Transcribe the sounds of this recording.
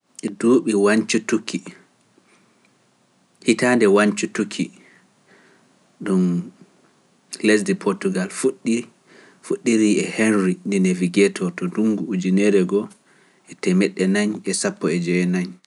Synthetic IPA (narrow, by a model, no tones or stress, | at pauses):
ɛduːɓiwaɲt͡ʃutuki | hitandɛwaɲt͡ʃutukʰi | ɗum | les̬dipʰoɾtuɡalfuɗi | fuɗːiɾiɛhenɾindinɛviɡɛtʰɔtɔduŋɡuud͡ʒinɛɾɛɡɔ | ʔɛtɛmɛɗːɛnaɲɛsapːɔɛd͡ʒɛɛnaɲ